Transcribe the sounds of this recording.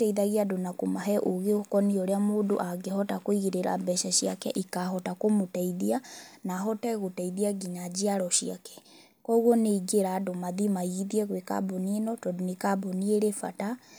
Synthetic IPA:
tɛiðaɣiadonakomaɦɛʔoɣeokɔnioɾeamoːdo̰ʔaɡehɔtakoiɣiɾeɾa̰bɛʃaʃiakɛ̰ʔikaɦɔtakomotaiðianaɦɔtɛɣotɛiðiaɡiɲad͡ʑiaɾɔʃiakɛ̥ | kɔɣɔneiɡeɾaːdomaðimaiðiɛɣweka̰bɔnienɔtɔdonekabɔnieɾefa̰ta

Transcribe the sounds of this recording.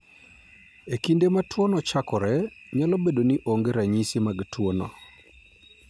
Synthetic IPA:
ekindematwonɔt͡ʃakɔɾɛɲalɔbedoniʔoŋɡeɾaɲisimaɡtwonɔ̰

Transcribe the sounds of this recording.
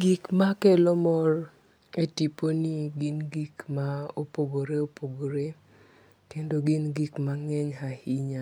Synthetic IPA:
ɡikmakɛlɔmɔɾ | etiponiɡinɡikmaopoɡoɾeopoɡoɾe | tɛndoɡinɡikmaŋɛɲhahiɲa

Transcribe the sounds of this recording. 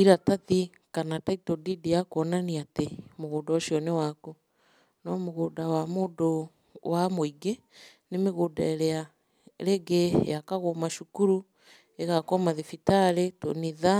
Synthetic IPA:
iɾataði | kanataitɔdidijakoɔnaniatemoɣoːdaɔʃjɔnewaku | nɔmoɣodawamoːdo | wamoiɡe | nemeɣodaeɾɛa | ɾeɡejakaɣomaʃukuɾu | eɣakɔmaðefitaɾetoniða

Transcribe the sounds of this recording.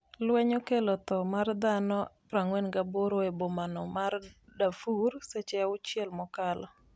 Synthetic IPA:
lwɛɲɔkelɔt̪ɔmard̪anɔpɾaŋwɛnɡaboɾoebomanɔmardafursɛt͡ʃɛaʊt͡ʃjɛlmɔkalɔ

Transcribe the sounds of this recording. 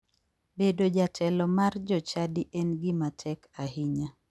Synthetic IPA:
bedod͡ʒatʰɛlɔmard͡ʒɔt͡ʃadiʔɛnɡɪmatʰɛkahɪɲa

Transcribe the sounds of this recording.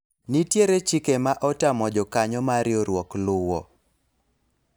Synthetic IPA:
nitjeɾet͡ʃikemaʔɔtamɔd͡ʒɔkaɲɔmaɾjɔɾwɔklʊwɔ̰

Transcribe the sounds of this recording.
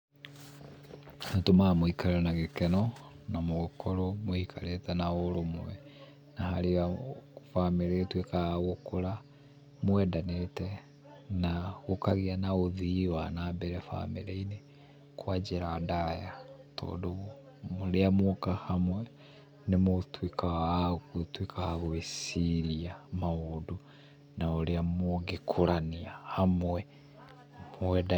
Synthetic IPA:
atomamoikʰaleɾanaɣekɛnɔnamoɣokʰoɾomoikʰaletanaolomwɛ̰ | nahaliafameɾetwekaɣokuɾa | mwɛdanetɛ | naɣokaɣianaoðiwanabɛɾɛfa̰meɾeine | kwad͡ʒiɾadajatʰo̰ːdu | muliamukahamwe | nimutwikʰakutwikʰahaβuisiɾiamaudu | nauliamuɡikʰulaniahamwe | mweda

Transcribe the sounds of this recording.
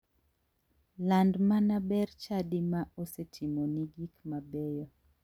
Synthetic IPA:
landmanabɛɾt͡ʃadimaosɛtʰimoniɡikmabɛjɔ

